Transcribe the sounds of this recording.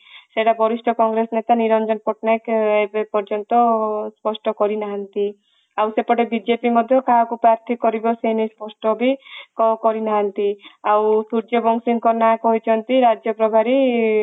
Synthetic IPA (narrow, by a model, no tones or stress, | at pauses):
seʈabʱɔɾisʈʰɔkɔŋɡɾesnet̪aniɾɔnd͡ʒɔnpɔʈnajkebepɔɾd͡ʒɔnt̪ɔspɔsʈɔkɔɾinaɦant̪i | awsepɔɽebid͡ʒepimɔd̪ʱjɔkaɦakupɾaɾt̪ʰikɔɾibɔsenispɔsʈɔbikɔkɔɾinaɦant̪iawsuɾd͡ʒɔbɔŋsiŋkɔnakɔɦit͡ʃʰɔnt̪iɾad͡ʒjɔpɾɔbʱaɾi